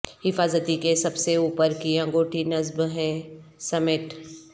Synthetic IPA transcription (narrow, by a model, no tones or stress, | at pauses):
hɪfaːzət̪ikesɐbseuːpəɾkiɐ̃ŋɡoːʈʰinɐzbɦɛ̃ːsɐmɪʈ